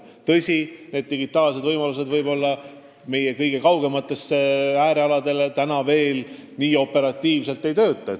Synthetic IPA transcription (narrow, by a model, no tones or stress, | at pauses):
t̪ɤsʲine̞ːd̪̚ːiɡit̪ːˑɑːlse̞d̪vɤjmɑlus̬e̞d̪vɤjbo̞lːɑ | me̞je̞kɤjɡ̥e̞kɑwɡe̞mɑt̪ːˑe̞sːeæːɾeɑlɑd̪e̞let̪ænɑve̞ːl | niːo̞pːe̞ɾɑt̪ːˑiːvse̞lt̪ːˑe̞jt̪ø̞ːt̪ːˑɑ